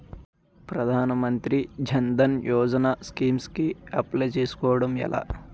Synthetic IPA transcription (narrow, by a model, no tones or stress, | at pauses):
pɾɐd̪ʱaːnɐmɐnt̪ɾid͡ʒʱɐnd̪ɐnjʔɔːd͡ʒɐnaːskiːmskiɐplet͡ʃeːsu̥kɔːʋɐɽɐmɛ̰la̰ː